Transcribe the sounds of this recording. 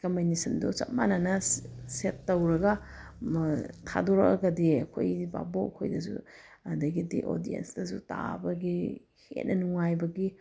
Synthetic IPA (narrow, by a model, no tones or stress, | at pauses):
kɐminisɐndut͡ʃɐ̰t̚manɐnɐsetːɐwɾɐɡɐ | tʰa̰doɾɐ̰kɐɡɐdiɐkʰo̰jba̰boɐkʰo̰jdɐsṵɐdɐɡidḭʔo̰diḛnsdɐsuta̰bɐɡi | hḛt̚nʔɐnuŋajbɐɡi